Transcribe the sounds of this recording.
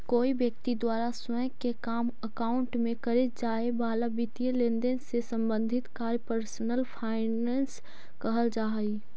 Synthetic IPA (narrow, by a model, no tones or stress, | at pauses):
koːibjək̚t̪id̪waːɾasə | kekaːməkaːʊ̃ɳʈmẽkəɾed͡ʒaːebaːlabit̪ielẽnd̪ensesə̃mbə̃nd̪ʱɪt̪kaːɾjpəɾsnəlpʰaːɪneːns | kəɦəld͡ʒaːɦi